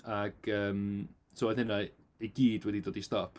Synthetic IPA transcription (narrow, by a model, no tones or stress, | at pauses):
aɡ̥əːm | soaðɪna | iɡiːdwɛdidoːdistɔpʰ